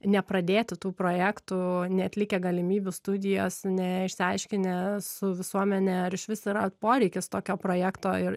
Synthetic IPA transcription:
nʲɛpɾɐd̪ʲeːt̪ʲɪt̪uːpɾoːjæːkt̪ʊnʲɛɐt̪lʲɪkʲɛɡɐlʲɪmʲiːbʲʊst̪ʊd̪ʲɪjo̰ːsnʲɛɪʃʲsʲɪɐɪʃʲkʲɪnʲesʊʋʲɪsuɔmʲɛnʲɛɐɾɪʃʋʲɪsɪɾɐt̪poːɾʲɛɪkʲɪst̪oːkʲoːpɾoːjæːkt̪oːɪɾ

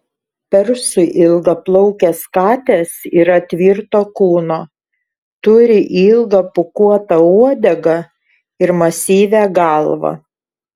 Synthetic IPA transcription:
pʲɛɾsʊʔɪlˠɡɐplˠɔʊkʲɛskɑːt̪ʲesiːɾɐt̪ʲʋʲiːɾt̪oːkuːnoː | t̪ʊɾʲɪʔiːlˠɡɐpʊkuɔt̪ɐuɔd̪ʲɛɡɐ | ɪɾmɐsʲiːʋʲæɡɑlˠʋɐ̰

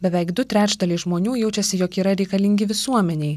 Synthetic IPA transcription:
bʲɛʋʲɛɪkd̪ʊt̪ʲɾʲæːt͡ʃd̪ɐlʲɪʒmoːnʲuːjɛʊt͡ʃʲɛsʲɪjoːkiːɾɐɾʲɛɪkɐlʲɪŋʲɡʲɪʋʲɪsuɔmʲɛnʲɛɪ

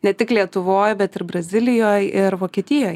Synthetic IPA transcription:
nʲɛt̪ʲɪklʲiɛt̪ʊʋoːjbʲɛt̪ɪɾbɾɐzʲɪlʲɪjoːjɪɾʋoːkʲiɛt̪ʲɪjoːj

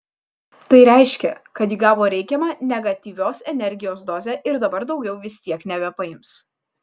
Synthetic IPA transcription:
t̪ɐɪɾʲɛɪʃʲkʲɛkɐt̪jiːɡɑːʋoːɾʲɛɪkʲɛmɑːnʲɛɡɐt̪ʲiːʋʲoːsɛnʲɛɾʲɡʲɪjoːs̬d̪oːzʲɛːʔɪɾd̪ɐbɐɾd̪ɒʊɡʲɛʊʋʲɪsʲt̪ʲiɛknʲɛbʲɛpɐɪms

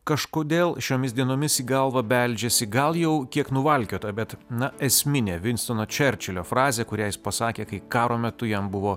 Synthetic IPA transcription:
kɐʃkoːd̪ʲeːlˠʃʲoːmʲɪsd̪ʲiɛnoːmʲɪsiːɡɐlˠʋɐbʲɛlʲd͡ʒʲesʲɪɡɐlˠjɛʊkʲiɛknʊʋɐlʲkʲoːt̪ɐbʲɛt̪nɐɛsʲmʲɪnʲeːʋʲɪnʲst̪oːnoːt͡ʃʲɛɾʲt͡ʃʲɛlʲoːfɾɑːzʲeːkʊɾʲæːjɪspɐsɑːkʲeːkɐɪkɑːɾoːmʲɛt̪ʊjɛmbʊʋoː

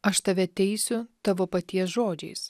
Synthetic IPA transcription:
ɐʃt̪ɐʋʲɛt̪ʲɛɪsʲʊt̪ɐʋoːpɐt̪ʲiɛs̬ʒoːd͡ʒʲɛɪs

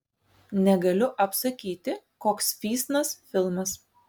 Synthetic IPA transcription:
nʲɛɡɐlʲʊʔɐpsɐkʲiːt̪ʲɪkoːksfʲiːsnɐsfʲɪlˠmɐs

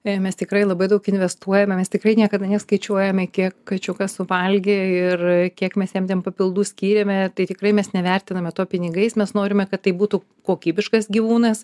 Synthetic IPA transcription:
mʲɛst̪ʲɪkɾɐɪlˠɐbɐɪd̪ɐʊkɪnʲʋʲɛst̪uɔjɛmʲɛmʲɛst̪ʲɪkrɐɪnʲiɛkɐd̪ɐnʲɛskɐɪt͡ʃʲuɔjɛmʲɛkʲiɛkkɐt͡ʃʲʊkɐssʊʋɐlʲɡʲeɪrkʲiɛkmʲɛsjɛmt̪ʲɛnpɐpʲɪlˠd̪uːsʲkʲiːɾʲɛmʲɛt̪ɐɪt̪ʲɪkɾɐɪmʲɛsnʲɛʋʲɛrʲt̪ʲɪnɐmʲɛt̪oːpʲɪnʲɪɡɐɪsmʲɛsnoːɾʲɪmʲɛkɐt̪ːɐɪbuːt̪u | koːkʲiːbʲɪʃkɐsɡʲiʋuːnɐs

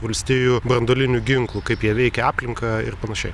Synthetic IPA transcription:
ʋɐlʲsʲt̪ʲiːjubɾɐnd̪oːlʲɪnʲʊɡʲɪŋklˠʊkɐɪpjiɛʋʲɛɪkʲɛɑːpʲlʲɪŋkɐɪ̰rpɐnɐʃʲɛɪ

